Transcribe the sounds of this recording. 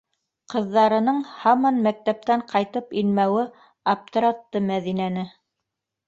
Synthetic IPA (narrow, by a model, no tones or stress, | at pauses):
qɤ̆ðːɑɾɤ̆nɤɴhɑmɑnmæk̚t̪æp̚t̪æɴqɑjt̪ɤpilmæwɘ | ɐp̚t̪oɾat̪ːɤmæðinænɘ